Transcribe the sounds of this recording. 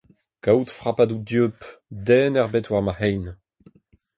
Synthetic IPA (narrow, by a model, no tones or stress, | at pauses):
kawt̪fʁapad̪ud̪jøpd̪ɛːnɛʁbɛtwaʁmahɛjn